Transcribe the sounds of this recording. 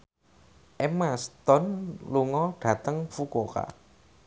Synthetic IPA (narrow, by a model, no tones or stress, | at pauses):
ʔɛmast̪ɔnluŋɔɖ̥ä̤t̪əŋfukoka̰